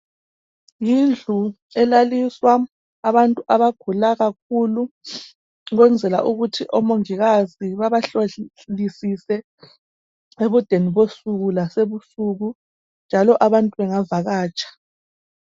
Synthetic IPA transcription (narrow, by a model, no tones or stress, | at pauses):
jind͡ɮʱu | ɛlaliswaː | βantʼuʔaβaɡ̥ʱulaɣak̚ʰulu | ɣwɛnd͡zʱɛla̰ʔuɣutʰiʔɔmoŋiɣaziβaβaɬo | lisisɛ | eβud̥ʱeniβosuɣulaseβusuɣu | nd͡ʒʱalɔʔaβantʼuβɛŋavaɣaːt͡ʃʼḁ